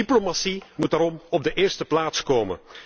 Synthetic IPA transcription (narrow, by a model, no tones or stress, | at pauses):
iplomasimutaɾɔmɔb̚dəʔɪːɹstəplaːtskoːmə̰n